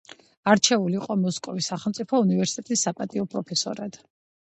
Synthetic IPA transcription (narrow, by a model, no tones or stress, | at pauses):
aɾt͡ʃʰɛvuliːqʼɔmɔskʼɔvisaχɛlˠmt̪sʼipʰɔunivɛɾsi̥t̪ʼɛt̪ʼisːapʼat̪ʼiɔpʼɾɔpʰɛsɔ̰ɾad̪̥